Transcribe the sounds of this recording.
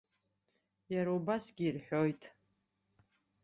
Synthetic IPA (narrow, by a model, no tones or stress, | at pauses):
jaɾaubasɡʲiːrħʷᶣojtʰʼ